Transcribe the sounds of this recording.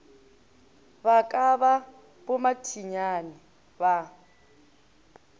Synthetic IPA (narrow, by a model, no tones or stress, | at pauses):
bakʼaβa | bʊmatʰiɲanɪ | βa